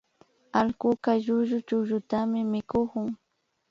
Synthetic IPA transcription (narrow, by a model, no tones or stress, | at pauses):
alkʊkaʎʊʒʊt͡ʃʊʒʊt̪amɪmɪkokʊŋ